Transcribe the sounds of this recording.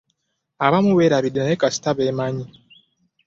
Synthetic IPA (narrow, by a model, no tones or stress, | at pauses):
aβamuweɾaβidinaekasi̥taβemaɲi